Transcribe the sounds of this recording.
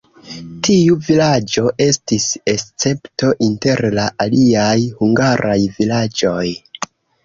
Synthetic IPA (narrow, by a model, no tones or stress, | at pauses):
tiuvilad͡ʒo̞ʔe̞stise̞st͡se̞pto̞ʔinte̞ɾlaʔaliajhuŋɡaɾʔajvilad͡ʒo̞j